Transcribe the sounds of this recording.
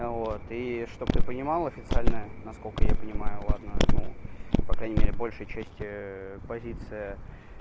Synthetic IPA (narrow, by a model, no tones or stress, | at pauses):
vot̪iʂt̪o̞b̚t̪ɨpənʲɪmalˠɐfʲɪt̪sɨalʲnəənɐsko̞lʲkəjapənʲɪmajʊlˠad̪nənṵpɐkɾajnʲɪmʲeɾʲɪbo̞lʲʂɨjət͡ɕæsʲtʲɪpɐzʲit̪sɨjə